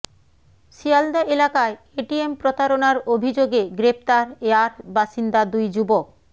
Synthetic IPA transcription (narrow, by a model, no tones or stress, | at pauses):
ʃiald̪aʔelakae | eʈiempɾot̪aɾonaɾobʱid͡ʑoɡeɡɾeft̪aɾeaɾbaʃind̪ad̪ujd͡ʑubok̚